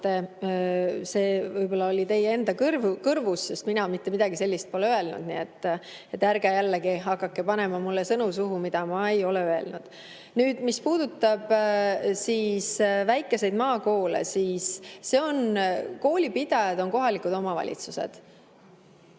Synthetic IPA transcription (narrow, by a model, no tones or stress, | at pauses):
t̪e | se̞ːvɤjbo̞lːɑo̞lʲit̪e̞je̞nd̪ɑkɯrvukɤrvusjust̪minɑmit̪ːe̞mid̪̥ɑɡiselʲːist̪̚po̞leøelnṵd̪̥nḭet̪ːˑ | et̪ːˑæɾɡejælːeɡ̥iɦɑkːɑkːe̞pɑne̞mɑmulːesɤnusuɦumid̪̥ɑmɑe̞jo̞leøe̞̰lnud̪̥ | nyːd̪̥mispuːd̪ut̪ːˑɑb̥ | siːsvæjkːˑe̞se̞jd̪̥̚mɑːko̞ːlḛsiːsːe̞o̞nko̞ːlʲipid̪̥ɑjɑd̪̥o̞nko̞ɦɑlikud̪o̞mɑvɑ̰lʲḭt̪suse̞̰d̪̥